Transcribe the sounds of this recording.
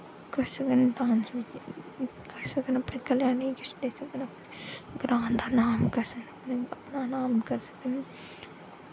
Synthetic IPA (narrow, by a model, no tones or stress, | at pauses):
kɐɾsɐkənp̪ãːnsmi | kɐɾsɐkənɐpnekɐljaːnikɪsd̪eːsɐkənɐpneɡɾaːnd̪aːnaːmkɐɾsəkənɐpneɐpnanaːmkɐɾsɐ̥kən